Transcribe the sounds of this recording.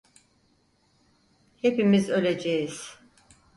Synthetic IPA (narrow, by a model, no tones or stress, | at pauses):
hepimizø̞lʲed͡ʒejiz̥